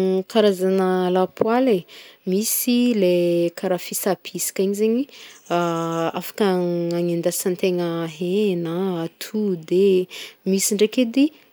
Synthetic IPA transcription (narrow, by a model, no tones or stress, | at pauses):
kaɾazanəlapʰwalemisilekʰaɾafisapʰisi̥kiɲizeɲiaafḁkaaŋind̪asant̪eŋəɦenəːt̪ʰud̪emisiɳɖ͡ʐeked̪i